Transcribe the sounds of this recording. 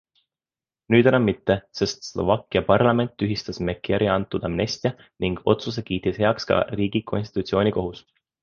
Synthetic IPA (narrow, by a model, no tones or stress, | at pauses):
nyːd̪̥enɑmːit̪ːe̞se̞st̪slo̞̰vɑkːˑiɑpɑrlɑme̞nt̪ˑːyɦist̪ɑsmekːˑeɾʔiɑnt̪ːˑud̪̥ɑmne̞st̪iɑ | niŋɡ̥o̞̰t̪sus̬e̞kiːt̪ːishe̞ɑkskɑ̰riːɡ̥ikʰo̞nst̪i̥t̪ut̪sio̞ːnʲiko̞ɦus